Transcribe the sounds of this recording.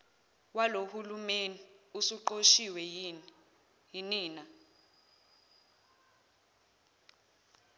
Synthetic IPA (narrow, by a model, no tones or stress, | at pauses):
walohulumeniusuǃoʃiwɛ | jiniːna